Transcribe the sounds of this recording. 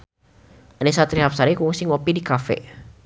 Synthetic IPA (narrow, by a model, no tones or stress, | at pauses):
anɛsat̪ɾiɦapsaɾikuŋsɪŋopidikafɛ̰